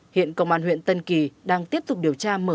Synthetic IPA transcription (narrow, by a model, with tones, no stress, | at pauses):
hḭ˧˨ənkə̰˧˨wŋ͡mʔaː˧˩nhw̰ənt̪ə˧nki˨˩ɗaː˧ŋt̪i˦˥əp̚t̪ʊ˨˩k͡p̚ɗi˨˩əwt͡ɕaː˧məː˧